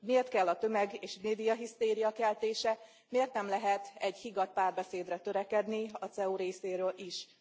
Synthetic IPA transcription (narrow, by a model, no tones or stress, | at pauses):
miert̪kɛlːɒt̪ø̞mɛɡeːʃmeːd̪ijɒɦist̪eːɾijɒkɛlt̪eːʃɛ | meːrt̪nɛmlɛɦɛt̪ɛɟhiɡɒt̪̚paːrbɛseːd̪rɛt̪ø̞ɾɛkɛd̪niɒt̪sɛuɾeːseːɾøːlʔiʃ